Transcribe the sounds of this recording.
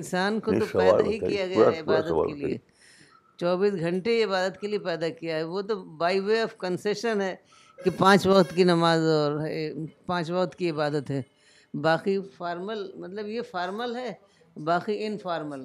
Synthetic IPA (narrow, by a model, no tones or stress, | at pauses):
ɪ̃nsaːnkot̪opɛɦikijaɡɐaɛɪbaːd̪ə̰lkeliḛ | t͡ʃɔːbiːsɡʱɐ̃ɳʈeɪbaːd̪ət̪keliepɛːd̪akijaɦɛʋot̪obaːiʋeɐfkɐnseːʃənɦɛː | kipãːt͡ʃʋɐkt̪kinɐmaːzɔːɾpãːt͡ʃʋɐkt̪kiɪbaːd̪ət̪ɦɛː | baːxifaːɾməlmɐt̪ləbjefaːɾməlɦɛː | baːxiɪnfaːɾməl